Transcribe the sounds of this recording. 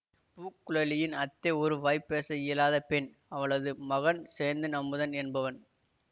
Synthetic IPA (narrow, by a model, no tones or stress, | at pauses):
puːkːɯɭɐlɪjɪnɐt̪ːeɔɾɯʋɐɪpːeːsɐjɪlaːðɐpɛn | ɐʋɐɭɐðɯmɐɣɐnseːɾnd̪ɯnɐmːɯðɐnɛnbɐʋɐn